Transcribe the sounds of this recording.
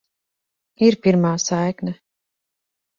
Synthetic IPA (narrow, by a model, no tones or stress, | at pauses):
iɾpiɾmaːsajknɐ